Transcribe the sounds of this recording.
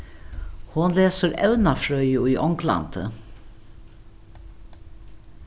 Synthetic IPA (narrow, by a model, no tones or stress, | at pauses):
hʊnleːsəɾɛ̰ʉnafɾœʏəuːʔɔŋkla̰nt̪ə̰